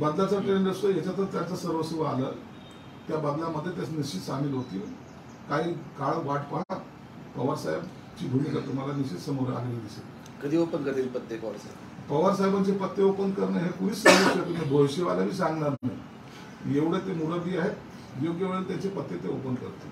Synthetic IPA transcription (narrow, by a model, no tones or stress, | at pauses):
bad̪lat͡səʈɾeɳɖəst̪əɦet͡ɕat̪əɾt̪jant͡səsəɾʋəsuʋəalə̰ː | t̪jabad̪laməd̪ʱːjet̪̬jat͡sniit̪samiːlɦot̪iː | kaɦiːkaɭʋaʈʰpəɦa | pəʋəɾsajəb | t͡ɕiːɡʱumikat̪um̤alaniɕit̪səmoɾa̰ɡelad̪ise | kəd̪iːopənkəd̪ilpət̪ːjepəʋəɾsaebpəʋəɾsaɦebant͡ɕepət̪ːeopənd̪kəɾneɦekuɽiːsəɾʋəset̪umebʱojɕeʋalaʋiːsãŋɡɳaɾnḛ | jeʋɽet̪emuɾəd̪iːaɦet̪ | joɡjeʋɭet̪jat͡ɕepət̪ːet̪eo̰pənkə̰ɾt̪e̥